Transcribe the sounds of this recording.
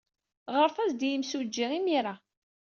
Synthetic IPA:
ʁəɾθæzd̪jəmsud͡ʒːiʁimiɾa

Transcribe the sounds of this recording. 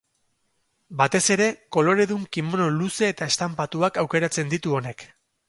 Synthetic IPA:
bat̪e̞se̞ɾe̞ko̞lo̞ɾe̞ðuŋkimono̞luse̞ːt̪aest̪ampat̪uakawke̞ɾat͡se̞nd̪it̪uo̞ne̞k

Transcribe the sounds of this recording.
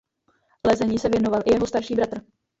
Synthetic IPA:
lɛzɛɲiːsɛvjɛno̞valʔɪjɛɦo̞st̪aɾʃiːbɾat̪r̩

